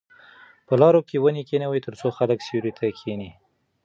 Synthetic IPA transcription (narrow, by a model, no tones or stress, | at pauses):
pəlɑɾokewənikenawit̪əɾt͡soxaləksiuɾit̪ʰakʰeni